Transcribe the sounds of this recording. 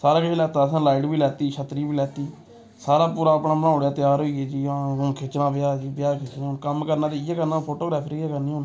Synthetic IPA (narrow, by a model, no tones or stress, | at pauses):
saːɾaːkɪʃelɛːt̪aːəsãːlaːɪʈbiːlɛːt̪iːʃʰət̪ɾiːbiːlɛːt̪iː | saːɾaːpuːɾaːəpnaːbəɽ̃ãːʊɽjaːt̪ɪjaːɾɦoːiːeːd͡ʒiːʊkʰet͡ʃnaːbɪjaːd͡ʒiːbɪjaːkʰɪt͡ʃnẽːʊnkəmkəɾnaːd͡ʒejaːkəɾnaːpʰoːʈoːɡɾɛːpʰɾiaːkəɾniːʊn